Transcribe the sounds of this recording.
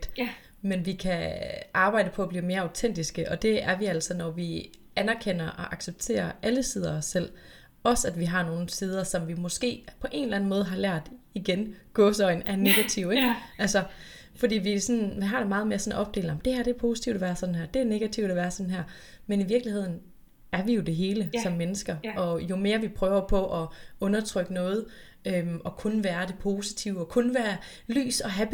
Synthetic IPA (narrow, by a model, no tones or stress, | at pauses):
d̥ | menʋikʰæʔɑ̈ːb̥ɑ̈ɪ̰ɾ̥əpʰɒ̽b̥liːme̝ːɐɑ̈ʊt͡sʰen̰d̥isɡ̥əʔɒ̽d̥e̝æɐʋiæl̰sɒ̽nɒʋi | ænæɐkʰen̰ɐʔɒ̽ʔɑ̈ɡ̥seb̥̚t͡sʰe̝̰ːɐʔæləsið̞ˠɐɒsːel̰ | ɒ̽sæd̥ʋiɦɑ̈no̝ːn̩sið̞ˠɐsɒ̽mʋimɒ̽sɡ̥e̝̰ːpʰɒ̽ʔe̝̰ːnlæn̩mɔ̽ːð̞ˠɦɑ̈læɐ̰d̥iɡ̥enɡ̥ɔ̽ːsɒ̽ɪnæɐne̝ɡ̥æt͡sʰiʊ̰eɡ̥ʔælsɒ | fɒdḭːʋiæsɒ̽nʋiɦɑ̈ɾ̥e̝mɑ̈ːð̞̩ˠme̝ːɐsɒ̽nʔɒ̽b̥̚de̝̰ːlɑm̩d̥e̝hæɐ̰d̥e̝ɐpʰo̝ːsi̥t͡sʰiʊd̥ɒʋæːɐsɒ̽n̩ɦæɐ̰d̥e̝æɐne̝ɡ̥æt͡sʰiʊd̥æʋæːɐsɒ̽nn̩ɦæɐ̰ | meniʋiɐɡ̥lihe̝ð̞̰ˠn̩ | æɐʋijo̝d̥e̝ɦe̝ːləsɒ̽mːenəsɡ̥ɐʔɒ̽jo̝me̝ːɐʋipʰʁœːʊɐpʰɒ̽ʔɒɔ̽nɐt͡sʰʁœɡ̥ənɔ̽ːð̞̩ˠ | ømɒ̽kʰɔ̽nʋæːɐd̥e̝pʰo̝ːsi̥t͡sʰiʊɒ̽kʰɔ̽nʋæːɐ | ly̰ːsɒ̽ɦæb̥